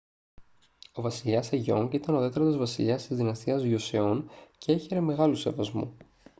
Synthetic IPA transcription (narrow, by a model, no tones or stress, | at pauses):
o̞vɐsiʎɐsɐʝo̞̰ŋkit̪ɐnoðet̪ɾot̪izvɐsiʎɐst̪izðinɐst̪iɐzʝoseo̞nceeçe̞ɾe̞me̞ɣɐluse̞vɐzmṵ